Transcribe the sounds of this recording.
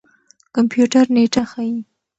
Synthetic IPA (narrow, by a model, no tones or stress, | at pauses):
kampjuʈaɾneʈaxaji